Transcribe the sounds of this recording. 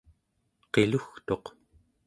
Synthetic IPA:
qe̞luxt̪o̞q

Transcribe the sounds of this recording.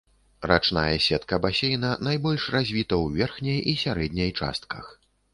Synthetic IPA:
ɾa̰t͡ʂnajɐsʲɛt̪kɐbasʲejnɐnajbɔlʲʂrazʲvʲit̪ɐwvʲɛrxnʲejisʲaɾɛd̪ʲnʲɐjt͡ʂa̰st̪̚kʰɐ̰x

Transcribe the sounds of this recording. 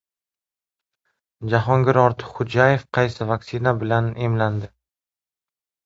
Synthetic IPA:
d͡ʒaɦɒŋɡʲɪɾɒɾt̪ʰɪ̥χʊd͡ʒaje̞fqʰɑjsɪvakʲsɪnabɪlanemland̪ɪ

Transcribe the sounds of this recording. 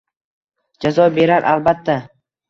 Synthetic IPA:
d͡ʒazɒbe̞ɾaɾʔa̰lbat̪ʰːa

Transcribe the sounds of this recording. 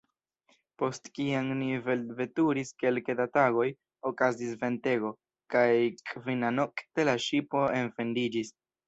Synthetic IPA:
po̞stkiaŋniveve̞tuɾiske̞lkedataɡo̞j | o̞kazisve̞nte̞ɡo̞ | kajkvinanokte̞laʃipo̞e̞nfe̞ndid͡ʒis

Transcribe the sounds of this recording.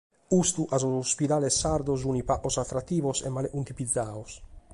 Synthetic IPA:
ust̪uʔazosspid̪aːlɛsːaɾd̪oz̬unipaʔosat̪ːɾat̪ːiːvosɛ̰mːaleʔunt̪ipid̪zːaːos

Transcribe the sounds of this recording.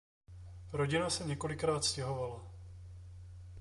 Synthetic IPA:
ɾo̞ɟɪnasɛɲɛko̞lɪkɾaːt̪scɛɦo̞vala

